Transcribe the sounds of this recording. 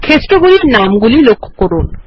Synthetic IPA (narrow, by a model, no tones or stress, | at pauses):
kʰestʼɔk̬ulinam̩k̬ulilokʰɔ̥kɔɾɔːna